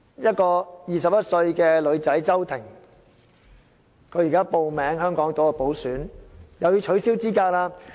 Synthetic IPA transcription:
jɐ˥t̚kɔː˧jiː˨˩sɐ˨p̚jɐ˥t̚sɵ˧ɥkɛː˧lɵ˨˧ɥt͡sɐ˨˥jt͡sɐ˥wt̪ʰɪ˨˩ŋ | kʰɵ˨˧jiː˨˩kaː˥po˨wmɛː˨˥ŋɦœː˥ŋkɔː˨˥ŋt̪oː˨˥kɛ˧po˨˥wsyː˨˥njɐ˨wjyː˨˧t͡ʃʰɵ˨˥siː˥wt͡siː˥kaː˧k̚laː˧

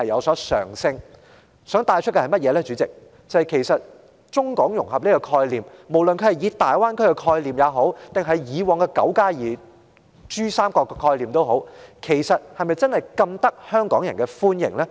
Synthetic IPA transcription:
hɐ˨jɐ˨˧wsɔː˨˥sœ̰ː˨˩ŋsɪ˧ŋ | sœː˨˥ŋt̪aː˧jt͡ʃʰt̚kɛ˧hɐ˨˩mɐ˥t̚jɛː˨˧lɛː˥t͡ʃyː˨˥t͡sɪ˨k̚ | t͡sɐ˨hɐ˨˩jkʰe˨˩jsɐ˨t̚ | t͡ʃʊ˥ŋkɔː˨˥ŋjʊ˨˩ŋhɐ˨p̚niː˥kɔː˧kʰɔː˧jliː˨˩mmo˨˩wlɵ˨nkʰɵ˧hɐ˨jiː˨˧t̪aː˨jwaː˥nkʰɵ˥kɛ˧kʰɔː˧jliː˨˩mjaː˨˧wɦo˨˥wt̪ɪ˨ŋɦɐ˨jjiː˨˧wɔː˨ŋkɛː˧kɐ̰˨˥wkaː˥jiː˨˩ | t͡ʃyː˥saː˥mkɔː˧kːkʰɔː˧jliː˨mt̪o˥wɦo˨˥wkʰe˨˩jsɐ˨t̚hɐ˨jmɐ˨jt͡sɐ˥nhɐ˨˩jkɐ˧mt̪ɐ˥k̚hœː˥ŋkɔː˨˥ŋjɐ˨˩nkɛ˧fuː˥njɪ̰˨˩ŋlɛː˥

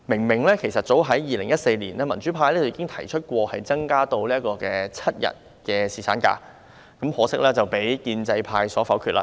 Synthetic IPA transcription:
mɪ˨˩ŋmɪ˨˩ŋlɛː˥kʰe˨˩jsɐ˨t̚t͡so˨˥wɦɐ˨˥jjiː˨lɪ˨˩ŋjɐ˥t̚se˧jliː˨˩nɛː˥˩mɐ˨˩nt͡ʃyː˨˥pʰaː˧jlɛ˥t͡sjiː˨˧kɪ˥ŋt̪ʰɐ˨˩jt͡ʃʰɵ˥t̚kʷɔː˧hɐ˨jt͡sɐ˥ŋkaː˥t̪o˧wli˥ɐ˥t̚kɔː˧kɛː˧t͡sʰɐ˥t̚jɐ̰˨˩t̚ | kɛː˧siː˨˩t͡sʰaː˨˥nka̰ː˧ | kɐ˨˥mhɔː˨˥sɪ˥k̚lɛː˥t͡sɐ˨wpe˨˥jkiː˧nt͡sɐ˧jpʰaː˧jsɔː˨˥fɐ˨˥wkʰyː˨˧t̚la̰ː˧

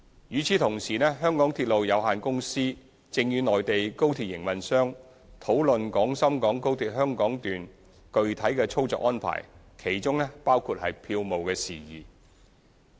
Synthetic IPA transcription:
jyː˨˧t͡sʰiː˨˥t̪ʰʊ˨˩ŋsiː˨˩nɛː˥ɦœː˥ŋkɔː˨˥ŋt̪ʰi˧t̚lo˨wjɐ˨˧wɦaː˨nkʊ˥ŋsiː˥ | t͡sɪ˧ŋjyː˨˧nɔː˨˩jt̪e˨jko˥wt̪ʰiː˧t̚jɪ˨˩ŋmɐ˨nsœː˥ŋ | t̪ʰo˨˥wlɵ˨nkɔː˨˥ŋsɐ˥mkɔː˨˥ŋko˥wt̪ʰiː˨˥t̚hœː˥ŋkɔː˨˥ŋt̪yː˨n | kɵ˨˧ɥt̪ʰɐ˨˥jkɛː˧t͡sʰʊ˥wt͡sɔ̰ː˨kʔɔː˥npʰa̰ː˨˩j | kʰe˨˩jt͡sʊ˥ŋnɛː˥paː˥wkʰuː˧t̚hɐ˨jpʰiː˧wmo˨wkɛː˧siː˨˩jḭː˨˩

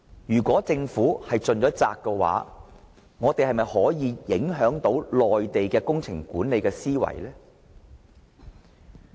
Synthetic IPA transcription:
jyː˨˩kʷɔː˨˥t͡sɪ˧ŋfuː˨˥hɐ˨jt͡ʃɵ˨nt͡ʃɔː˨˥t͡sa̰ː˧kːɛ˧wa̰ː˨˥ | ŋɔː˨˧t̪e˨jhɐ˨jmɐ˨jhɔː˨˥jiː˨˧jɪ˨˥ŋɦœː˨˥ŋt̪o˨˥wlɔː˨jt̪e˨jkɛː˧kʊ˥ŋt͡sʰɪ˨˩ŋkuː˨˥ne˨˧jkɛː˧siː˥wɐ̰˨˩jlɛː˥

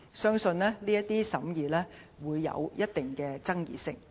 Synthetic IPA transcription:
sœː˥ŋsɵ˧nɛː˥liː˥jɐ˥t̚t̪iː˥sɐ˨˥mjiː˨˩lɛː˥wuː˨˧jːɐ̰˨˧wjʔɐ˥t̚t̪ɪ˨˩ŋkɛː˧t͡sɐ˥ŋjḭː˨sɪ̰˨˩ŋ

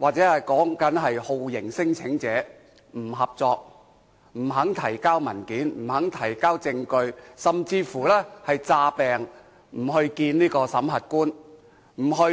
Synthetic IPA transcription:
waː˨k̚t͡sɛː˨˥hɐ˨jkɔː˨˥ŋkɐ˨˥nɦɐ˨jho˨˧wjɪ˨˩ŋsɪ˥ŋt͡sʰɪ˨˥ŋt͡sɛː˨˥ | m̩˨˩ɦɐ˨p̚t͡sɔː˧k̚ | m̩˨˩ɦɐ˨˥ŋt̪ʰɐ˨˩jkaː˥wmɐ˨˩nkiː˨˥nm̩˨˩hɐ˨˥ŋt̪ʰɐ˨˩jkaː˥wt͡sɪ˧ŋkɵ˧ɥsɐ˨mt͡siː˧fuː˨˩lɛː˥hɐ˨jt͡saː˧pɛː˨˩ŋ | m̩˨˩ɦɵ˧ɥkiː˧nniː˥kɔː˧sɐ˨˥mɦɐ˨t̚kuː˥n | m̩˨˩ɦɵ˧

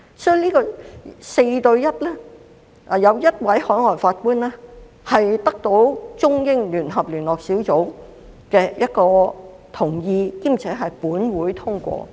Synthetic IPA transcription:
sɔː˨˥y˨˧niː˥kɔː˧se˧jt̪ɵ˧ɥjɐ˥t̚lɛː˥ | ʔa˨˩jɐ˨˧wjɐ˥t̚wɐ˨˥jhɔː˨˥ŋɔː˨˩jfaː˧t̚kuː˥nlɛː˥ | hɐ˨jt̪ɐ˥k̚t̪o˨˥wt͡sʊ˥ŋjɪ˥ŋlyː˨˩nɦɐ˨p̚lyː˨˩nlɔː˨k̚si˨˥wt͡so˨˥w | kɛː˧jɐ˥t̚kɔː˧ | t̪ʰʊ˨˩ŋjiː˧kiː˥mt͡sʰɛː˨˥ɦɐ˨jpuː˨˥nwuː˨˥jt̪ʰʊ˥ŋkʷɔ̰ː˧

